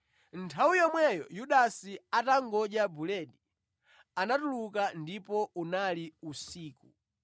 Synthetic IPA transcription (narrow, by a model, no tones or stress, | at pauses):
ntʰawujɔmwɛjɔ̰juɗasiataŋɡɔd͡ʒabulɛɗi | anatulukandipɔunaliusiːku